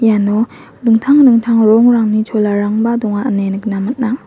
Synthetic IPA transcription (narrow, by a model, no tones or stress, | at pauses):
janɔ | dɯŋtʰaŋdɯŋtʰaŋɾɔŋɾaŋnit͡ʃʰolaɾaŋbadɔŋaənenɯk̚namat̚na